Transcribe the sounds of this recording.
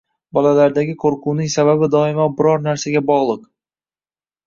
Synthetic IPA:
bɒlalaɾd̪aɡʲɪkʰoɾqʰʊwnɪŋsababɪd̪ɒɪmabɪɾɒɾnaɾsaɡʲabɒʁlˠɨq

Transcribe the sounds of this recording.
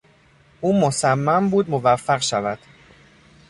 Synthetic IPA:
ʔuːmosæmːæmbuːd̪movæfːæɣʃævæd̪̥

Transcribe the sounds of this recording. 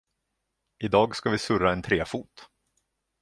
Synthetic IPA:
ɪd̪ɑːɡskavɪsɵɾaɛnt̪ʰɾeːfuːt̪

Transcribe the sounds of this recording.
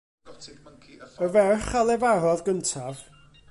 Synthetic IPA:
əvɛrχalˠɛvaɾɔðɡəntʰav

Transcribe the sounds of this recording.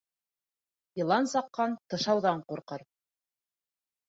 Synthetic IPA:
jɤ̆lˠɑnsɑqːɑnt̪ɤ̆ʃɑwðɑɴquɾqɤɾ

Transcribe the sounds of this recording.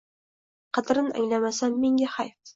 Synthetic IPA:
qʰɑt̪ɪɾɪna̰ŋlamasamːeŋɡʲahajf

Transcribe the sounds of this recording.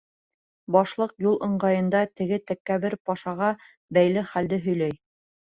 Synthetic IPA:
bɑʃlˠɤqjulˠʔɤ̆ɴɢɑjɤ̆nd̪ɑt̪ɘ̆ɡɘt̪ækːæβɘɾpɑʃɑʁɑ | bæjlɘχæld̪ɘɦɵ̆jlæj

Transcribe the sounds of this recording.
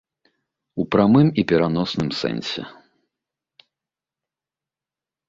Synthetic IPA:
upɾamɨmipʲɛɾanɔsnɨmsɛ̰nʲsʲɛ̰

